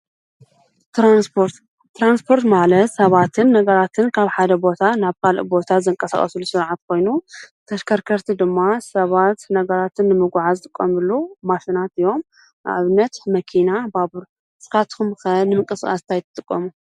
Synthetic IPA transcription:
t̪ɾanspʰoɾt̪ː | ɾanspʰo̞ɾt̪malɐt̪sɐβat̪ʰɨnːɐɡɐɾat̪ʰɨnkʰaβħad̪ɐbo̞t̪ʰanaβkʰalʔbo̞t̪ʰazɨŋkʼɐsa̰xʼɐ̰sulusɨɾʕat̪̚kʰo̞jnut̪ʰɐʃkʰɐɾkʰɐɾt̪ʰid̪ɨmːasɐβat̪nɐɡɐɾat̪ʰɨnːɨmɨɡʷʕazɨt̪ʼɨkʼːɐmɨlːumafɨnat̪ɨjo̞m | a̰ʕaβɨnɐt̪mɐkʰinababɨɾ | sɨ̥kat̪kʰumkɐnɨmɨŋkʼɨskʼa̰st̪ʰajt̪ʰɨ̥t̪ʼɨkʼːɐmu

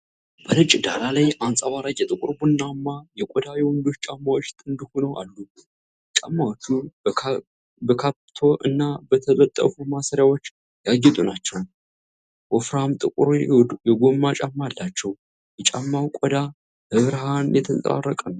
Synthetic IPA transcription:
b̥əlɨt͡ʃʼːd̪alalajansʼawaɾajʼɛt̪ʼɨkʼɨɾbunːamːajɛkʼɔd̪awjɛwɔnd̪o̞t͡ʃːt͡ʃʼamːawot͡ʃːt̪ʼɨnd̪ihunəwʔa̰lːu | t͡ʃʼamːawot͡ʃːu | bəkʰapt̪ʰo̞ʔɨnːabət̪ʰələt̪ʼːə̰fumasəɾjawo̞t͡ʃː | jaɡɛt̪ʼunat͡ʃːɛw | ʔofɾamt̪ʼɨkʼɾjɛɡo̞mːat͡ʃʼamːalːat͡ʃːɛw | jɛt͡ʃʼamːawkʷʼɔd̪a | hɨβɾɦanjɛt̪ʰənt͡sʼa̰rːəkʼən

